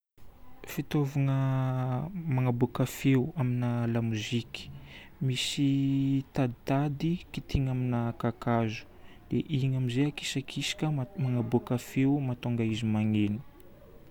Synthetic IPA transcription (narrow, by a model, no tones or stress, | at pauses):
fit̪ovaŋə | maŋabukafeuaminalamuziki̥ | misit̪ad̪it̪ad̪ikit̪iŋaminakakazu̥ | d̪̥eʔiŋamizeaki̥sakʰisi̥kʲəmaŋabukafeumat̪oŋɡaizimaŋeni̥